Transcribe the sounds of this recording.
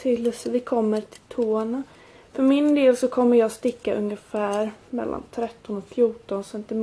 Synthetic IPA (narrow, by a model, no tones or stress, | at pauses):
ɪlːɵsəvɪkʰɔmːəɾʈʰɪ̥lt̪ʰoːɳa | fœɾmɪnd̪eːlsɔkʰɔmːəɾjɑːst̪ɪkːaʔɵŋəfæːɾmɛ̰lːʔa̰nt̪ʰɾɛt̪ːɔnɔkfjuːʈɔnsɛnt̪ɪm